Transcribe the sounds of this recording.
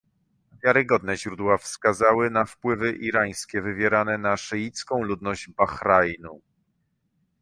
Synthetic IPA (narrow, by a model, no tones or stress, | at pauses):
vʲjaɾɘɡɔd̪̚nɛʑɾud̪wafskazawɘnafpwɘvɘʔiɾaj̃skʲɛvɘvʲjɛɾanɛnaʂɘjit̪skɔ̃w̃lud̪nɔʑbaxɾajnu